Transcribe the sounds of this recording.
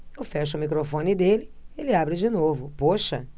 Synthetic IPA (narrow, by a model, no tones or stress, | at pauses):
ewfɛʃɐʊmikɾofõnɪd̪elɪelɪabɾɪd͡ʒɪnovʊpoʃɐ